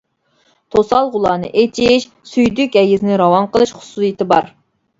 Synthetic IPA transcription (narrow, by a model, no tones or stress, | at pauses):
t̪ʰosɑlˠʁʊlˠɑːnɨ̰ʔet͡ʃʰiʃ | syjd̪ykʲɛjɪzɪnɪɾɑwɑnqəlˠɨʃχʊ̥susjit̪ʰɪbɑ̰ɾ